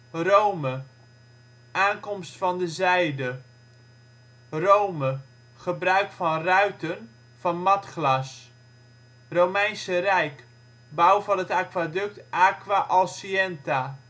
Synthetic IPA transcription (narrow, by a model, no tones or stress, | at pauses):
rowmə | ʔaːnkɔmstfɑndəzɛjdə | rowmə | χəbrœɥkfɑnrœɥtən | v̥ɑnmɑtχlɑs | rowmɛjnsərɛjk | bawvɑnətaːkʋadɵk̚tʔaːkʋaʔɔlˠsiɛnta